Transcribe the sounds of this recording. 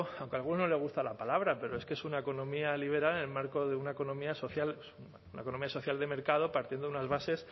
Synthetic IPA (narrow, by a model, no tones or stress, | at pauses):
awŋkealɣ̞unono̞le̞ɣ̞ust̪alapalaβɾape̞ɾo̞eskeesunaeko̞nõ̞mialiβ̞e̞ɾalnelmaɾko̞ðeunaeko̞nõ̞miaso̞θjal | unaekonomiaso̞θjald̪e̞me̞ɾkað̞o̞paɾt̪jend̪ounazβase̞s